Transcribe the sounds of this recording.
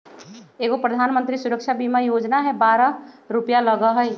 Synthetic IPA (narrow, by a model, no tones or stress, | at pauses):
eːɡopɾəd̪ʱaːnmə̃nt̪ɾisʊɾəkʃʰabimajod͡ʒnaɦɛbaːɾəɾupjaləɡəɦəj